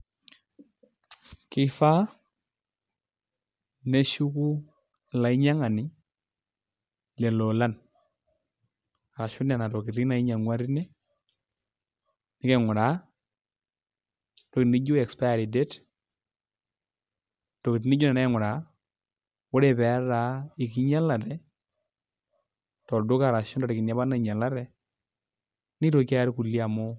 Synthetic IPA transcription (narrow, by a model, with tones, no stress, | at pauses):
kɪ˦fa˦ | nɛ˦ʃu˦ku˦ | la˨i˦ɲa˦ŋa˨nɪ˨˦ | lɛ˨lɔ˨la˦n | a˨ɾa˨ʃu˦na˨na˨tɔ˨ki˨ti˦na˨i˦ɲa˨ŋwa˦ɾi˦nɛ˦ | nɪ˦kɛ˨ŋʊ˨ɾa˨˦ | tɔ˨kɪ˨ni˦d͡ʒʊ˦ɛ˨kspa˦ja˨ɾi˨dɛ˦t | tɔ˨kɪ˨tnɪ˦d͡ʒʊ˦nɛ˨na˦ŋʊ˨ɾa˨ | wɔ˦ɾɛ˨pɛ˨˦ɾa˨˦ɪ˨k̬ɪ˦ɲa˦la˨tɛ˦ | tɔ˨dʊ˦ka˨ɾa˨ʃʊ˦nda˨ɾɪ˨kɪ˨na˦ba˦na˦˨ɲa˨la˦tɛ˨ | nɪ˦tɔ˨ka˦ja˦ɾku˨li˦a˨mɔ˦